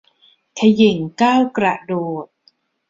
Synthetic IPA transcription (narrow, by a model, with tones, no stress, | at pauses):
kʰa˧ji˨˩˦ŋkaː˥˩wkɾa˨˩ʔdoː˨˩t̪̚